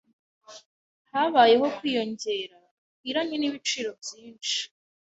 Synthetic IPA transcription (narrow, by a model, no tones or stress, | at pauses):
haβaːje̞ɦo̞kwiːjo̞ɲɟe̞ːɾa | kiɾaɲeniβit͡ʃiːɾo̞bjiːnt͡ʃi̥